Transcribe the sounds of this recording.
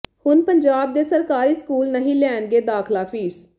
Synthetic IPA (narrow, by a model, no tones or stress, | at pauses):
hʊnpəɲd͡ʒaːb̚d̪eːsəɾkaːɾiːskuːlnəɦĩːlɛːnɡeːd̪aːkʰlaːpʰiːs